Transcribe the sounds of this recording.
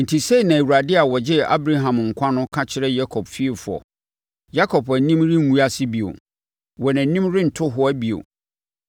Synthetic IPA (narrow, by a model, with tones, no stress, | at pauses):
n̩˨tʰi˨se˦i˨nã˨æ˨wu˨ɾa˨dɪ˦a˨wɔ˨d͡ʑɪ˦a̰˦bɾa˦ɦã˨mŋ̩˨kʷʰã˦nʊ̃˦kʰã˦t͡ɕʰɪ˦ɾɛ˦ja˦kʰɔ˨bfi˦e˨fʊ˨ɔ̰˨ | ja˦kʰɔ˨pæ˨nĩ˦mɾĩ˦m̩˦mũ˦a˦sɪ˦bi˨o̰˨ | wɔ˨næ̃˨nĩ˦mɾɪ˦n̩˨tʰʊ˦ɦʊ˦æ˦bi˨o̰˨